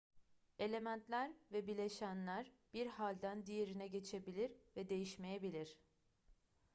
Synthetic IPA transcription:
e̞lʲe̞mænt̪lʲæɾvɛbilʲe̞ʃænlʲæɾb̥iɾhalʲd̪ænd̪ije̞ɾinɛɟe̞t͡ʃʰe̞bilʲiɾvɛd̪e̞jiʃme̞jebilʲiɾ̥

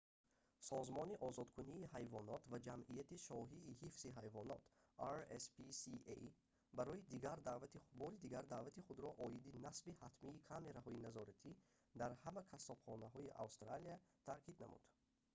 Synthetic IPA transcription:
sɔzmɔniʔɔzɔd̪kʰuniːhajvɔnɔt̪ʰvad͡ʒamʔijat̪iʃɔɦiːhifsiɦajvɔnɔt̪ʰaɾespisiḛ | baɾɔjid̪iɡaɾd̪aːvat̪ibɔɾid̪iɡaɾd̪aːvat̪iχud̪ɾɔʔɔjid̪inasbihat̪miːkʰame̞ɾahɔjinazɔɾat̪ʰi | d̪aɾhamakʰasɔbχɔnaɦɔiʔa̰wst̪ɾaliat̪ʰaɾkʰid̪na̰mṵd̪̥

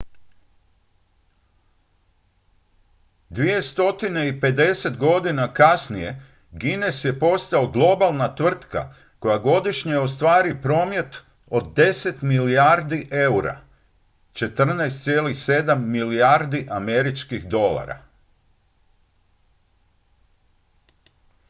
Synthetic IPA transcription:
d̪ʋije̞st̪o̞t̪ine̞ipe̞d̪e̞se̞t̪ɡo̞d̪inakasnije̞ | ɡine̞sje̞po̞st̪aoɡlˠo̞balˠnat̪ʋr̩t̪ka̰ | ko̞jaɡo̞d̪iʃɲeo̞s̬t̪ʋaːɾipɾo̞ːmje̞t̪ | o̞d̪̚d̪e̞se̞t̪miliaɾd̪iʔe̞uɾa̰ | t͡ʃe̞t̪r̩najst̪sje̞ːlixse̞d̪amːiliaɾd̪iʔame̞ɾit͡ʃkiɣd̪o̞la̰ɾa̰

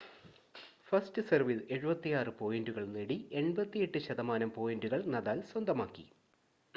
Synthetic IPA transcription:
fɐstɨsɐrʋile̞ɻubɐt̪ːijaːrɨpo̞ːjinduɣɐɭneɽie̞ɳbɐt̪ːije̞ʈːɨɕɐðɐmaːnɐmpo̞ːjinduɣɐɭnɐðaːlswɐnd̪ɐmaːkːḭ

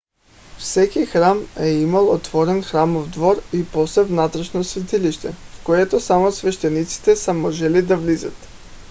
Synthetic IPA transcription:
fsɛkixɾamɛimalˠot̪vɔɾɛnxɾamovd̪vɔɾipɔslɛvnat̪ɾɛʃnosvɛt̪iliʃt̪ɛfkoɛt̪osamosvɛʃt̪ɛnit̪si̥t̪ɛsɐmɔʒɛlid̪avlizə̰t̪

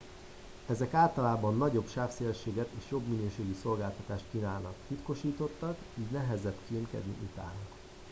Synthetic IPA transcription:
ɛzɛkaːlt̪ɒlaːbɒnːɒɟo̞bʃaːfseːlʃeːɡɛt̪eːʃjo̞bminøːʃeːɡiso̞lɡaːlt̪ɒt̪aːʃt̪̚t͡ʃinaːlnɒkt̪it̪ko̞ʃiːt̪o̞t̪ːɒk | iːɟnɛɦɛzɛt̪kiøŋkɛ̰d̪nḭʔut̪a̰ːnɒk

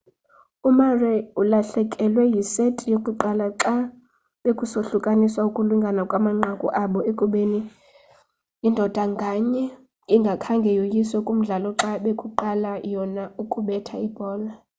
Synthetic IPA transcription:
umarɛulaɬɛkʼɛlwɛjisetʼijokʼuǃalaǁa | ɓekʼusoɬukʼaniswaukʼuluŋɡʱanakʼwamaŋ͡ǁʱakʼṵʔaɓɔekʼuɓeni | indʱɔd̥ʱaŋɡʱaɲɛ | iŋɡʱakʰaŋɡʱɛjojiswɛkʼum̩ɮalɔǁaɓekʼuǃalajɔnaukʼuɓɛtʰaib̥ʱɔːla

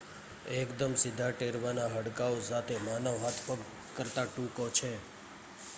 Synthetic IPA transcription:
ekd̪əmsɪd̪ʱaʈeɾʋanaɦəɽkaosat̪ʰemanəʋɦat̪ʰpəɡ | kəɾt̪aʈũkot͡ʃʰe

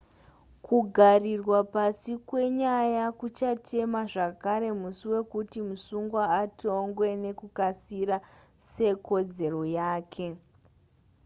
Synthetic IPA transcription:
kuɡʱarirwapasikwe̞ɲajakut͡ʃatʰe̞maʐakaɾe̞musiwe̞kutimusuŋɡwaːtʰo̞ŋɡwe̞ne̞kukasiɾa | se̞ko̞d͡ze̞ro̞jaːkʰe̞

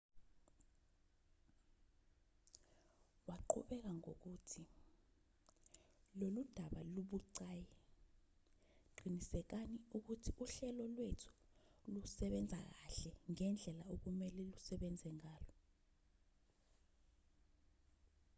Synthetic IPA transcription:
waǃʰṵɓɛk̬aŋok̬utʰi | lolud̥ʱaɓaluɓuǀaːjɛ | ǃinisɛk̬aniuk̬utʰiʔuɬɛlɔlwetʰu̥lusɛɓɛnd͡zʱa̰k̬aɬɛŋɛnd͡ɮʱɛlaok̬umɛlɛlusɛɓɛnd͡zʱɛŋaːlɔ

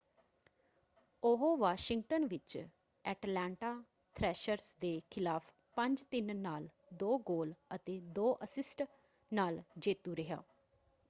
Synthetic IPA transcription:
ʊɦoʋaːʃɪŋɡʈənʋɪt͡ʃ | ɛːʈlɛːɳʈaː | t̪ʰɾɛːʃəɾsd̪eːkʰɪlaːpʰ | pə̃ɲd͡ʒt̪ɪnːaːl | d̪oːɡoːlət̪eːd̪oːʔəsɪsʈ | naːld͡ʒeːt̪uːɾəɦja̰ː

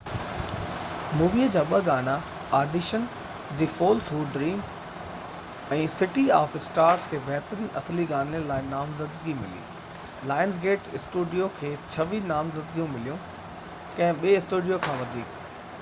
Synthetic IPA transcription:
muːʋiəd͡ʑaːɓɐɡaːna | aːɾɖɪʃən | d̪ifoːlsuːɖːɾiːm | ɛ̃ːsɪʈiaːfɪsʈaːɾskʰeːbɛɦt̪ɾiːnʔɐsliɡaːnələ̃laːɪnaːmzəd̪ɡimɪ̰lḭː | laːɪns̬ɡeːʈɪsʈuːɖijokʰeːt͡ɕʰɐʋinaːmzəd̪ɡijũmɪlijũ | kɐ̃ɦɪ̃ɓieɪsʈuːɖijokʰãːʋɐd̪ʱiːk

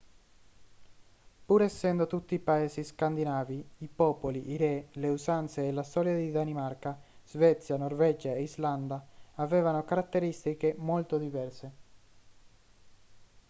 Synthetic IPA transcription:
puɾɛsːɛnd̪ot̪ut̪ːiːpaeːsiskand̪inaːviipɔːpoliʔiɾɛleusant̪seːlast̪ɔːɾjad̪id̪animarkaz̥vɛt̪sːjanorvɛd͡ʒaeizland̪aavɛːvanokaɾat̪ːeɾist̪ikemolt̪od̪ivɛrse

